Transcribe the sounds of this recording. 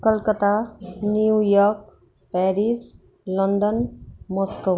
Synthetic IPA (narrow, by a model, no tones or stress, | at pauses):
kəlkət̪aniujɔɾk | pɛɾis | lɔɳɖənmɔsko